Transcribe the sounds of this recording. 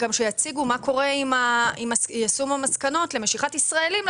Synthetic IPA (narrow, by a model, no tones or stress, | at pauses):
ɡamʃejat͡siɡumako̞ʁe̞imaimasjasumamaskano̞tle̞meʃiχatisʁae̞lim